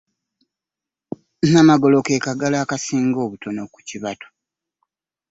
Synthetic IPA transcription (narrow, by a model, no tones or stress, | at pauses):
namaɡo̞lo̞ke̞ːkaɡalaːkasiːŋɡo̞ːβuto̞noku̥ciβatʰo̥